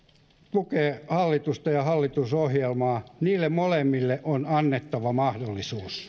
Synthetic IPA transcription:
t̪ukeːhɑlːit̪ust̪ɑjɑhɑlːit̪usohjelmɑːniːlːemmolemːilːeʔonɑnːet̪ːɑʋɑmɑhdolːisuːs

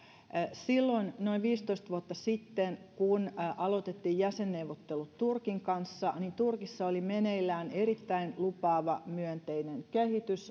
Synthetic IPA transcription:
silːoinno̞iʋʋiːst̪oist̪ʋuot̪ːɑsit̪ːenkunʔɑlo̞t̪et̪ːiːjjæsenːeuʋːot̪ːelut̪turkiŋkɑnsːɑnint̪urkisːɑolimeneilːæːneɾit̪ːæinlupɑːʋɑmyønt̪einenkehit̪ys

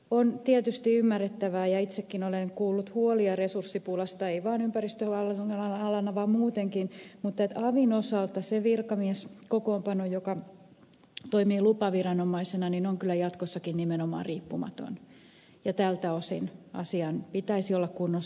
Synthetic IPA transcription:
ont̪iet̪yst̪iymːærːet̪ːæʋæːjɑit̪sekːinoleŋkuːlːut̪huoliɑresursːipuːlɑst̪ɑeiʋɑːnympærist̪øɑlɑɑlːɑnːɑʋɑːmmuːt̪eŋkinmut̪ːˑet̪ɑʋinosɑlt̪ɑseʋirkɑmiɛskokoːmpɑnojokɑ | t̪oimiːlupɑʋirɑnomɑisenɑninoŋkylːˑæjɑt̪kosːɑkinnimenomɑ̰ːriːpːumɑ̰t̪o̰n | jɑt̪ælt̪æosḭnʔɑ̰siɑnpit̪æisiolːɑkkunːo

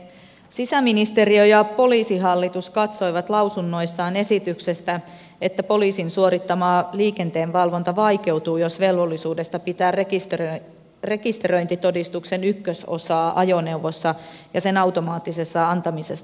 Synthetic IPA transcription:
sisæminist̪e̞riojɑpo̞liːsiɦɑlːit̪uskɑt̪so̞iʋɑt̪lɑwsunːo̞isːɑːne̞sit̪ykse̞st̪æ | et̪ːæpo̞liːsinsuoɾit̪ːɑmɑːliːke̞nt̪e̞ːnʋɑlʋo̞nt̪ɑʋɑjke̞wt̪uːjosʋe̞lʋo̞lːisuːde̞st̪ɑpit̪æːrekist̪ | re̞kist̪eroint̪it̪o̞dist̪ukse̞nykːøso̞̰sɑːʔɑjone̞wʋosːɑjɑse̞nɑwt̪o̞mɑːt̪ːise̞sːɑɑnt̪ɑmise̞s

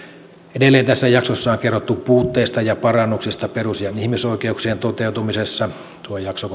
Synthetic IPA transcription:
edelːeːnt̪æsːæjɑksosːɑoŋkerːot̪ːupuːt̪ːeːst̪ɑjɑpɑrɑnːuksist̪ɑperusjɑihmisoˑikeuksient̪ot̪eut̪umisesːɑ | t̪uojɑkso

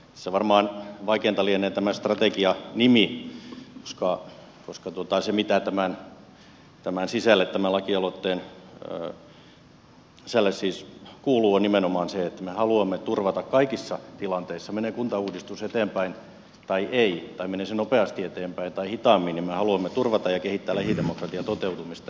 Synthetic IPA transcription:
seʋɑrmɑːnʋɑikeːnt̪ɑlieneːt̪æmæst̪rɑt̪ekiɑnimi | ko̥skɑ | koskɑt̪uot̪ɑsemit̪æt̪æmæn | t̪æmænsisælːet̪t̪æmælɑkiɑlot̪ːeːn | selːesːiːskuːluːonnimenomɑːnseet̪ːæmehɑluɑmːet̪urʋɑt̪ɑkkɑikisːɑt̪ilɑnt̪eisːɑmenekunt̪ɑuːdist̪uset̪eːmpæin | t̪ɑiʔeit̪ɑimeneˑsenopeɑst̪iet̪eːmpæint̪ɑihit̪ɑːˑmːinimmehɑluɑmːet̪urʋɑt̪ɑjɑkehit̪ːæːlæhidemokrɑt̪iɑt̪ot̪eut̪umist̪ɑ

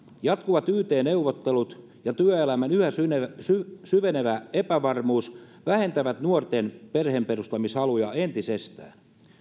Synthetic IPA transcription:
jɑt̪kuʋɑt̪yːt̪eːneuʋot̪ːelut̪ | jɑt̪yæøelæmænyhæsynesysyʋeneʋæepæʋɑrmuːs | ʋæhe̞nt̪æʋæt̪nuort̪enperhemperust̪ɑmisɑlujɑent̪isest̪æ̰ːn

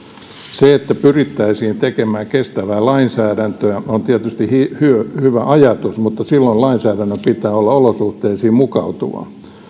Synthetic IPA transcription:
seet̪ːæpyrit̪ːæisiːnt̪ekemæːŋkest̪æʋæːlɑinsæːdænt̪øæont̪iæt̪yst̪ihihyhyʋæʔɑjɑt̪usmut̪ːɑsilːoilɑinsæːɾænːøpit̪ˑæːolːɑolosuht̪eːsiːmukɑ̰ut̪ṵʋɑ̰

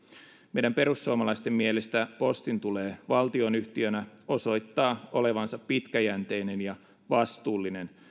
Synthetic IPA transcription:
mejdæmpe̞ɾusːuomɑlɑist̪emːielest̪æpo̞st̪int̪ule̞ːʋɑlt̪io̞nyht̪iø̞næo̞so̞jt̪ːɑːo̞le̞ʋɑnsɑpːit̪kæjænt̪e̞jne̞njɑ | ʋɑst̪uːlːine̞n

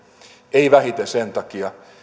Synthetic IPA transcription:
eiʋæhit̪esent̪ɑkiɑ

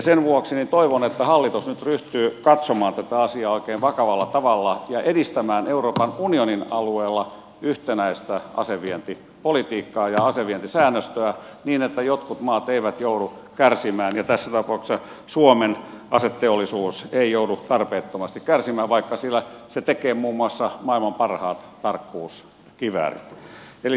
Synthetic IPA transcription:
senʋuoksinint̪oiʋonet̪ːæhɑlːit̪usnyt̪ryht̪yːkɑt̪somɑːnt̪æt̪æɑsiɑːoikeːʋʋɑkɑʋɑlːɑt̪ɑʋɑlːɑjɑʔedist̪æmæːneuroːpɑnunioninɑlueːlːɑ | yht̪enæist̪æʔɑ̰seʋient̪i | polit̪iːkːɑːjɑɑseʋient̪isæːnːøst̪øæniːnet̪ːæjot̪kut̪mɑːt̪eiʋæt̪joudu | kærsimæːnjɑt̪æsːæt̪ɑpɑukssɑ | suomen | ɑset̪ːeolːˑisuːseijoudut̪ɑrpeːt̪ːomɑst̪ikkærsimæːʋʋɑikːɑsilːæset̪ekeːmuːmːuɑsːɑmɑilmɑmpɑrhɑːt̪t̪ɑrkːuːs | kiʋæ̰rḭt̪ | eli

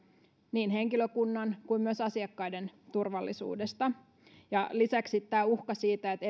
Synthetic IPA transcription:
niːnɦeŋkiløkunːɑnkuimmyøsɑsiɑkːɑident̪urʋɑlːisṵːdest̪ɑ | jɑlisæksit̪t̪ːæːuhkɑsiːt̪æet̪e

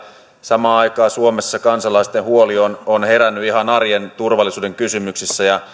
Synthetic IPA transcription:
sɑmɑːɑjkɑːsuomesːɑkɑnsɑlɑist̪enhuoliononheɾænːyiɦɑnɑrjent̪urʋɑlːˑisuːde̞ŋkysymyksisːæjɑ

